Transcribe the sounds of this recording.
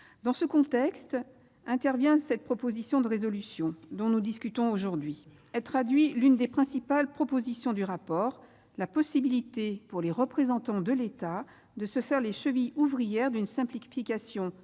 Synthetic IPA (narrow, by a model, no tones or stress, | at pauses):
d̪ɑ̃səkɔ̃t̪ɛkst̪ | ɛ̃t̪ɛʁvjɛ̃sɛt̪̚pχɔpozisjɔ̃d̪əʁezɔlysjɔ̃d̪ɔ̃nud̪iskʲyt̪ɔ̃oʒuʁd̪ɥi | ɛlt̪χad̪ɥilynd̪epχɛ̃sipalpχɔpozisjɔ̃d̪yʁapɔːʁ | lapɔsibilit̪epuʁleʁəpχezɑ̃t̪ɑ̃d̪əlet̪a | d̪əsəfɛʁleʃəvijuvʁijɛʁd̪ynsɛ̃plifikʲasjɔ̃